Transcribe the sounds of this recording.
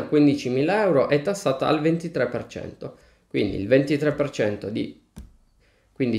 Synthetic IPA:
kwind̪it͡ʃimiːlaɛwɾoʔɛt̪ːasːaːt̪a̰a̰lvent̪it̪ɾɛpːert͡ʃɛ̰nt̪o | kwḭnd̪ḭlvent̪it̪ɾɛpːert͡ʃɛnt̪od̪ḭ | kwind̪i

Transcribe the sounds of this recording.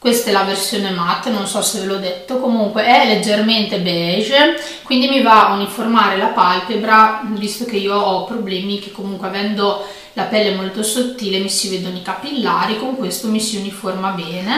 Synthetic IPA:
kwest̪aɛlaversjoːnemat̪ːnonsɔsevelɔd̪et̪ːokomuŋkweʔɛlːed͡ʒːerment̪ebɛʒ | kwind̪imivaauniformaːɾelapalpebɾavist̪okeiːoɔpːɾoblɛːmikekːomuŋkweavɛnd̪o | lapɛlːemolt̪osot̪ːiːlemisiveːd̪onekapilːaːɾikoŋkwest̪omisiuniformabɛːne

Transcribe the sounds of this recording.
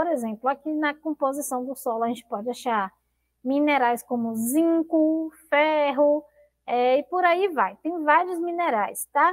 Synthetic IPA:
poɾezẽplʊakinɐkõpozisɐ̃w̃d̪ʊsɔlʊɐʒẽnt͡ʃɪ̥pɔd͡ʒɪaʃaɾ | mĩneɾajskõmʊzĩkʊfɛɦʊ | ɛɪpoɾaivajt̪ẽj̃vaɾjʊzmĩneɾajst̪a

